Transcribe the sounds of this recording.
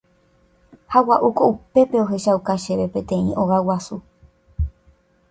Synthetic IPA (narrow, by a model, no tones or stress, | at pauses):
hawaʔukoupe̞pe̞o̞ɦe̞ʃawkaʃe̞βe̞pẽ̞t̪ẽ̞ḭ̃ʔo̞ɣawasu